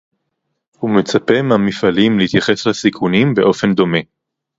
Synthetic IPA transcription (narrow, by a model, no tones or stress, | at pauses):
hume̞t͡sape̞meamifalimleit̪jaχe̞slasikʰunimbe̞ʔo̞fe̞nd̪o̞me̞